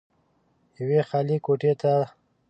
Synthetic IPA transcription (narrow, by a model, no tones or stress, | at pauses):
jəwexalikoʈet̪a